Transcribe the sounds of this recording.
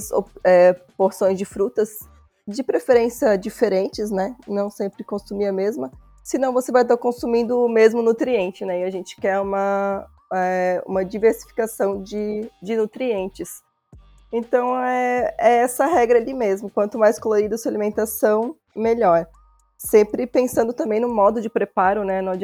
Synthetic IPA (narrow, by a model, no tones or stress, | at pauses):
so̰ɛpoɾsõj̃zd͡ʒɪfɾut̪ɐz | d͡ʒɪpɾefeɾẽsiɐd͡ʒifeɾẽnt͡ʃɪsnɛnɐ̃w̃sẽmpɾɪkõsumiɐmezmɐ | sɪnɐ̃w̃vosevajt̪̬aɾkõsumĩnd̪ʊːmezmʊnut̪ɾiẽnt͡ʃɪnɛɪaʒẽnt͡ʃɪ̥kɛɾũmɐ | ɛṵ̃mɐd͡ʒiveɾsi̥fi̥kasɐ̃w̃d͡ʒɪd͡ʒɪnut̪ɾiẽnt͡ʃɪs | ẽnt̪ɐ̃w̃ɛɛɛsɐɦɛɡɾɐalimezmʊkwɐ̃nt̪ʊmajskoloɾid̪ɐsualimẽnt̪asɐ̃w̃ | meʎɔɾ | sẽmpɾɪpẽsɐ̃nd̪ʊt̪ɐ̃mbẽj̃nʊ̃mɔd̪ʊd͡ʒɪpɾepaɾʊnɛnɐ̃w̃d͡ʒ